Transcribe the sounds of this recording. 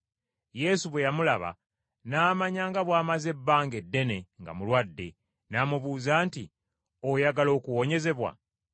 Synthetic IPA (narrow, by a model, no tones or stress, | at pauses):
je̞ːsuβwe̞jamulaβa̰ | naːmaɲaːŋɡaβwaːmaze̞bːaːŋɡe̞dːe̞ne̞ŋɡa̰mulwadːe̞ | naːmuβuːzaːnti | ojaɡalo̞ːkuwo̞ɲe̞ze̞βwa̰